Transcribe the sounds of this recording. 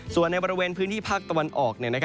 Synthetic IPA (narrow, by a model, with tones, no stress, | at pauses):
su˨˩ənːa˧jbɔː˧ɾi˧weː˧npʰɯː˦˥nt̪ʰiː˥˩pʰaː˥˩k̚t̪a˧wa˧nʔɔː˨˩k̚ni˥˩ɐna˦˥kʰ